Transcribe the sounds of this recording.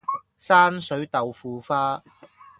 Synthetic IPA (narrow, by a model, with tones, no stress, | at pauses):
saː˥nsɵ˨˥ɥt̪ɐ˨wfuː˨˧faː˥